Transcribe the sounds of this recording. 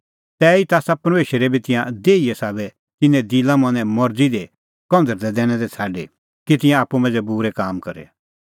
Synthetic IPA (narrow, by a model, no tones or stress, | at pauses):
t̪ɛːit̪aːsapɐɾmeːʃəɾɛbʱit̪ɪ̃jãd̪eːijɛsaːbɛ | t̪ɪnɛ̃d̪ilãmɐ̃nɛ̃mɔɾd͡zid̪e | kɔ̃nd̪əɾd̪ɛd̪ɛːɽ̃ɛ̃d̪ɛt͡sʰaːɖe | kit̪ɪ̃jãaːpːumɐ̃ːnd͡zɛbuːɾɛkaːmkɐɾɛ̰